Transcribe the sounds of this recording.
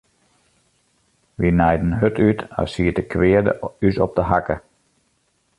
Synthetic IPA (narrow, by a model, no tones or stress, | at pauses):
ʋinɛjdən̩ɦøtʰyta̰siətəkʰʋɪədə̰ysɔ̰p̚dəɦakə